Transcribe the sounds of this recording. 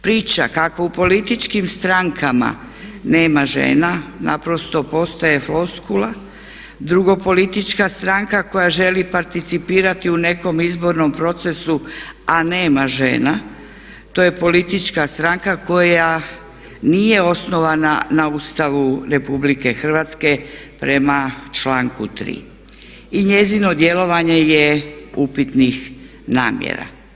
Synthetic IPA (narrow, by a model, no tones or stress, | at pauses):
pɾiːt͡ʃa̰kako̞upo̞lit̪it͡ʃkimst̪ɾaŋkʰama̰ | neːmaʒḛːnana̰pɾo̞st̪o̞po̞st̪aje̞flo̞skula | d̪ɾuɡo̞po̞lit̪it͡ʃkast̪ɾaŋkako̞jaʒe̞lipaɾt̪it̪sipiːɾat̪iune̞ko̞mizbo̞ɾno̞mpɾo̞t̪se̞suane̞ːmaʒḛːna | t̪o̞je̞po̞lit̪it͡ʃkast̪ɾaŋkako̞ja | nije̞o̞sno̞ʋananauːst̪aʋuɾe̞publike̞xr̩ʋat̪ske̞pɾe̞mat͡ʃlaːŋkṵt̪ɾḭː | iɲe̞zino̞d̪je̞lo̞ʋaɲe̞jeupit̪nix | na̰ːmjḛɾa̰